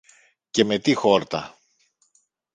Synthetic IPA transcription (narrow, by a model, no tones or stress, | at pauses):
ce̞me̞t̪ixo̞ɾt̪ɐ̰